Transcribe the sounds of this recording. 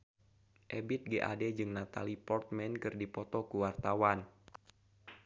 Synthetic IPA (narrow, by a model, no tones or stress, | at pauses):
ʔebit̪̚ɡeʔa̰dɛd͡ʒɨŋnat̪alipɔrt̪̚mɛnkɨrdipɔt̪ɔkuwart̪awan